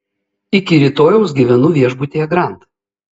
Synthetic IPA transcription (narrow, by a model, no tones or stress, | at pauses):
ɪkʲɪɾʲiːt̪oːjɛʊsɡʲiʋʲɛnʊʋʲiɛʒbʊt̪ʲeːjɛɡɾɑˑnt̪